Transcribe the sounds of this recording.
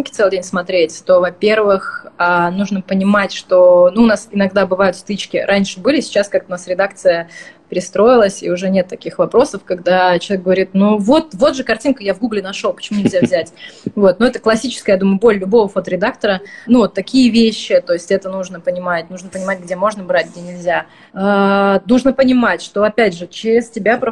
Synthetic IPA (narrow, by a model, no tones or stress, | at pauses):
nkʲɪ̥t̪sɛlˠɪdʲenʲsmɐt̪ɾʲetʲt̪o̞vɐpʲe̞rvɨxanuʐnəpənʲɪmatʲʂt̪onuːnasɪnɐɡd̪abɨvajʊt̪st̪ɨt͡ɕkʲɪɾʔanʲʂɨbɨlʲɪsʲɪ̥t͡ɕaskak̚t̪əʊnasɾʲɪd̪ak̚t̪sɨjəpʲɪɾʲɪst̪ɾo̞jɪlˠəsʲḭʊʐɛnʲet̪ːɐkʲixvɐpɾo̞səfkaɡd̪at͡ɕɪlˠʲek̚ɡəvɐɾʲit̪̚nuvo̞t̪̚vo̞t̪ʐɨkɐrtʲinkəjavɡuɡlʲɪnɐʂo̞lˠpə̥t͡ɕɪmunʲɪlʲzʲavzʲætʲvo̞t̪̚noɛt̪əklˠɐsʲit͡ɕɪ̥skəjad̪uməjʊbo̞lʲlʲʊbo̞vəfot̪əɾʲɪd̪akt̪əɾənuvot̪ːɐkʲijəvʲeɕːɪt̪o̞ɪsʲtʲɛt̪ənuʐnəpənʲɪmatʲnuʐnəpənʲɪmatʲɡ̚dʲemo̞ʐnəbɾat̚ʲɡdʲenʲɪlʲzʲa | anuʐnəpənʲɪmatʲʂt̪o̞ɐpʲædʲʐɨt͡ɕɪɾʲɪstʲɪbʲap